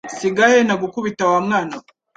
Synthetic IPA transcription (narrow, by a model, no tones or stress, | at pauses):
siɡahenaɡukuβitawamŋaːna